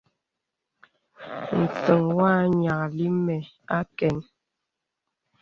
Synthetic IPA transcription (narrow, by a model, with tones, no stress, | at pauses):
n̩˨t͡sə˨ŋwaː˦ɲa˨kli˦mɛ˨ | a˦kɛ˨n